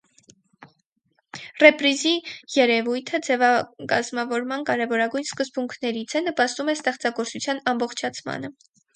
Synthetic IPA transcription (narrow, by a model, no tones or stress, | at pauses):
rɛpɾizijɛɾɛvujt̪ʰəd͡zɛvɑkɑ̰zmɑvɔɾmɑnkɑɾɛvɔɾɑɡujnskəzbuŋkʰnɛɾit͡sʰɛnəpɑst̪umɛst̪ɛχt͡sɑɡɔɾt͡sut͡sʰjɑnɑmbɔχt͡ʃʰɑt͡sʰmɑ̰nə